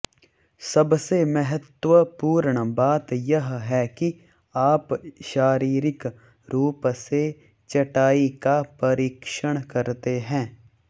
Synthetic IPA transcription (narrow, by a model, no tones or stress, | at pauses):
sɐbsemɛɦət̪wəpuːɾɳbaːt̪jɐɦɦɛki | aːpʃaːɾiːɾɪk | ɾuːpse | t͡ʃɐʈaːikapɐɾiːkʃəɽ̃kɐɾt̪eɦɛ̃ː